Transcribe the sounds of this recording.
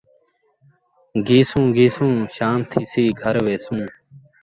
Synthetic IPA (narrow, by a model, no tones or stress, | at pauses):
ɡiːsũːɡiːsũːʃaːmt̪ʰiːsiːɡʱəɾʋeːsũː